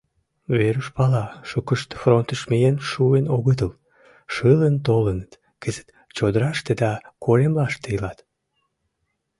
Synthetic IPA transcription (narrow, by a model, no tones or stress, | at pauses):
βeɾuʃpɑlɑʃukəʃt̪front̪əʃmejenʃuenoɣət̪̬əl | ʃələnt̪olənət̪ | kəzə̥t̪ | t͡ɕod̪əɾɑʃt̪ed̪ɑkolemlɑʃt̪eəlɑt̪